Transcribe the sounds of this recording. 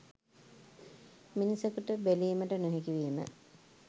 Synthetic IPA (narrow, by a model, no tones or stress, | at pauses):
minisekuʈəbeliːməʈənoɦekiʋiːmə̰